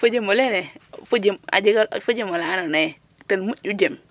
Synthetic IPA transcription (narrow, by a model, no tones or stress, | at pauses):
fud͡ʒemolenefud͡ʒima̰d͡ʒiɡalfud͡ʒimolananaj | tenmuud͡ʒem